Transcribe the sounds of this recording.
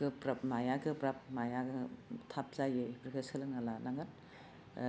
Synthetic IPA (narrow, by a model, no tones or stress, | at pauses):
ɯpɾap̚majaɡɯpɾap̚majaɡɯtʰap̚zajɯipʰɾkʰɯsɯlɯŋalanaŋan